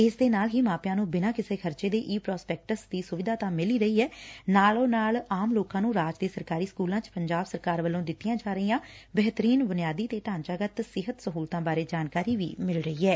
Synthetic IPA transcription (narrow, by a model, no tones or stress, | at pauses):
ɪsd̪eːnaːlɦiːmaːpjãːnũːbɪnãːkɪseːkʰəɾt͡ʃeːd̪eːʔiːpɾɔːspɛːk̚ʈəsd̪iːsʊʋɪd̪ʱaːt̪ãːmɪliːɾəiːɛːnaːlõːnaːlaːmloːkãːnũːɾaːd͡ʒd̪eːsəɾkaːɾiːskuːlãːt͡ʃpəɲd͡ʒaːbsəɾkaːɾʋəlːõːd̪ɪt̪ːɪjãːd͡ʒaːɾəiːãːbɛɦt̪əɾiːnbʊnɪjaːd̪iːt̪eːʈãːnt͡ʃaːɡət̪sɪɦət̪səɦuːlt̪ãːbaːɾeːd͡ʒaːnkaːɾiːʋḭːmɪlɾəɦiːɛː